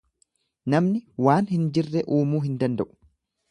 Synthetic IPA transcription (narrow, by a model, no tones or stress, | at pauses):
nɐmnɪwaːnhɪnd͡ʒɪrːɛʔuːmuːɦɪnd̪ɐnd̪ɐʔʊ̥